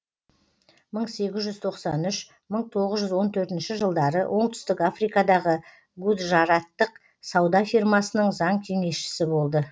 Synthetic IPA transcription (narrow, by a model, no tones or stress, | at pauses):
məɴse̞ɡʲɪzʒʏzt̪ʰo̞qsɑnʏʃ | məɴt̪ʰo̞ʁəzʒʏzwo̞nt̪ʰɵɾt̪ɪnʃɪʒəlˠd̪ɑɾə̰wʔo̞ɴt̪ʰʏ̥st̪ɪkafrijkɑd̪ɑʁə | ɡud̪ʒɑɾɑt̪ːəq | sɑwd̪ɑfijrmɑsənəɴzɑɴt̪ʲʰene̞ʃɪ̥sɪbo̞lˠd̪ə